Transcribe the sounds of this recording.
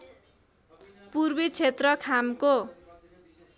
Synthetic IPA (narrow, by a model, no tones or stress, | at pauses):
purbit͡sʰet̪rʌkʰamko